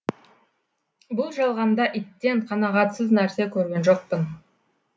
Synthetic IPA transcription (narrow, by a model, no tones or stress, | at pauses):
bʊlˠʒɑlˠʁɑnd̪ɑʔit̪ːe̞ɴqʰɑnɑʁɑt̪səznæɾse̞kʲʰɵɾɡʲe̞nʒo̞q̚pən